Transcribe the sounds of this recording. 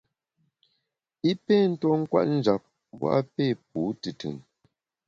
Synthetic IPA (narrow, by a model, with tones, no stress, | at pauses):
i˦pe˦˨n̩˦tɔ˦ŋ̩˦kwa̰˦ʔ̚n̩˦d͡ʒa˨p̚ | wa̰˦ʔpe˦˨p̚uː˨˦tɨ˨tɯ̰˨ŋ